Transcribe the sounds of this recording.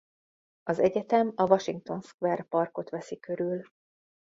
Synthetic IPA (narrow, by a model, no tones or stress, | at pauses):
ɒzɛɟɛt̪ɛmɒvɒʃiŋk̚t̪o̞nskʋɛrpɒrko̞t̪ʋɛsikø̞ɾyl